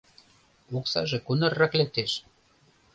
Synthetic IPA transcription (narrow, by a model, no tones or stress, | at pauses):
uksɑ̰ʒekunərːɑklek̚t̪eʃ